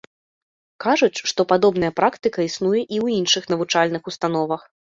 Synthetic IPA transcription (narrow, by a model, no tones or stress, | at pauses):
kaʐut͡sʲʂt̪ɔpad̪ɔbnɐjɐpɾakt̪ɨkɐisnujɛʔiwinʂɨxnɐvut͡ʂalʲnɨxust̪an̪ɔvɐx